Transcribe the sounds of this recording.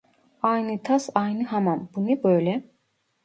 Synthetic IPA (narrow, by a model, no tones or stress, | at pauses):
ɑjnɯt̪ʰasɑjnɯhamanbunɯbøjlɛ